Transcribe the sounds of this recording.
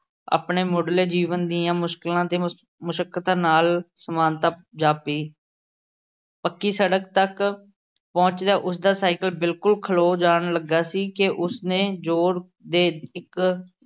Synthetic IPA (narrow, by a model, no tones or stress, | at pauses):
a̰ːpɳeːmoːɖleːd͡ʒiːʋənd̪iːãːmʊʃkɪlãːt̪eː | mʊʃəkːət̪aːnaːlsəmaːnt̪aːd͡ʒaːpiː | pəkːiːsəɽəkt̪ək | pɔ̃ːt͡ʃd̪aːʔʊs̬d̪aːsaːɪkəlbɪlkʊlkʰəloːd͡ʒaːɳləɡːaːsiːkɪʔʊsnẽːd͡ʒoːɾ | d̪eːɪk